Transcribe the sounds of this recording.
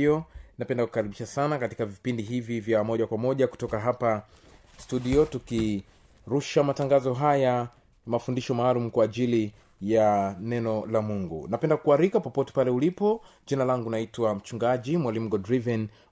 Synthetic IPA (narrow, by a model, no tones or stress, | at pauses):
ɔnapɛndaku̥kaɾiɓiʃasanakati̥kavipindiɦivivjamɔʄakwamɔʄaku̥tɔkaɦapa | stuɗiɔtuki | ɾuʃamataŋɡazɔɦaja | mafundiʃɔmaːlum̩kwaːʄili | janɛnɔlamuŋɡṵnapɛndakuaɾikapɔpɔtɛ̥palɛulipɔ | ʄinalaŋɡunaitwam̩t͡ʃuŋɡaʄimwalim̩ɡɔdɾivɛn